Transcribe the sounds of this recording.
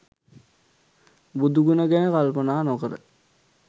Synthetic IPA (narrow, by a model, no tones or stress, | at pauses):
bud̪uɡunəɡɛnəkalpənaːnokəɾə̰